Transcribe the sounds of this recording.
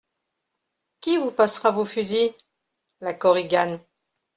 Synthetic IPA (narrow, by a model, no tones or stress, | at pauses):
kʲivupasʁavofyzi | lakɔʁiɡan